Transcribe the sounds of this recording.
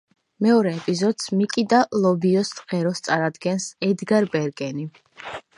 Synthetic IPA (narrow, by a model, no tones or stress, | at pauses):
mɛɔɾɛːpʼizɔd̪̥smikʼid̪alˠɔbiɔsʁɛɾɔst̪sʼaɾad̪ɡɛnsɛd̪ɡaɾbɛɾɡɛni